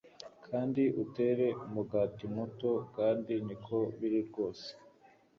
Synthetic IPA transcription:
kʰaːndiʔute̞ːɾe̞muɡaːtimuto̞kaːndinikʰo̞βiɾiɾɡo̞ːse̥

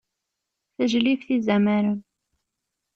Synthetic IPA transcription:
θəʒlifθizæmæɾən

